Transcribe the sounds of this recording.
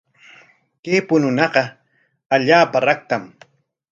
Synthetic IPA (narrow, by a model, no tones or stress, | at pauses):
keːpʊnʊnɑɢɑ | aʎaːpaɾak̚t̪am